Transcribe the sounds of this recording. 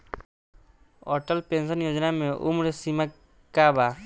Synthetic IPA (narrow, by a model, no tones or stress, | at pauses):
ɔʈəlpensɔnjod͡ʒnameʔṵmɾesima | kːaba